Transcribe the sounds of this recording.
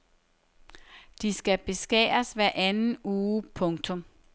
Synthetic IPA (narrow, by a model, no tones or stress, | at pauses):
d̥isɡ̥æb̥e̝sɡ̥ɛ̰ːɐsʋæɐʔænn̩uːpʰɔ̽ŋt͡sʰɔ̽m